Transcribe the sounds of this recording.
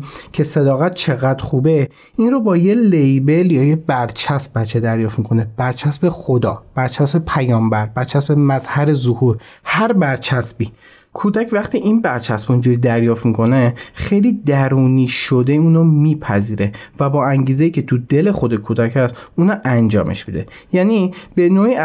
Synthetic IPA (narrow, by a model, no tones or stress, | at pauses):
cʰe̞se̞d̪ɒːɣæt̪̚t͡ʃʰe̞ɣæd̪ɾxuːbe | inɾrobɒːjelejbe̞ljɒːjebæɾt͡ʃʰæsbætt͡ʃʰːed̪æɾjɒːft̪mikʰo̞neb̥æɾt͡ʃʰæsbe̞χod̪ɒːb̥æɾt͡ʃʰæsbepʰæjɒːmbæɾbæɾt͡ʃʰæsbe̞mæzhæɾe̞zohuːɾ | hæɾbæɾt͡ʃʰæsbiː | kʰud̪æcʰvæχt̪ʰiːʔinbæɾt͡ʃʰæsb̥oind͡ʒuɾid̪æɾjɒːft̪mikʰo̞nexejliːd̪æɾuːniːʃod̪euːnomiːpʰæziːɾevæbɒːæŋɟiːzejiːcʰe̞t̪ʰud̪e̞le̞xod̪ekʰuːd̪æcʰæst̪uːnɑʔænd͡ʒɒːmʔḛʃbid̪ḛjæːnib̥e̞noːi